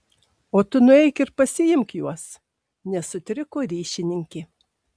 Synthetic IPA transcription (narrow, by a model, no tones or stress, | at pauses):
oːt̪ʊnʊɛɪkɪɾpɐsʲɪjɪmkjuɔs | nʲɛsʊt̪ʲɾʲɪkoːɾʲiːʃʲɪnʲɪŋʲkʲɪ